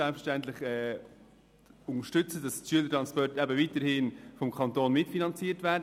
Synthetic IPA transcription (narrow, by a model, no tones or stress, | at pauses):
ɛlpfə̥ʃtɛntlɪχɛː | ʊnəʃtʏt͡səd̥ɑsʃyələtɾɑnspɔrtɛbəviːtəɾhɪnfɔmkʰɑntoːnmɪtfinɑnt͡siːtvæːɾd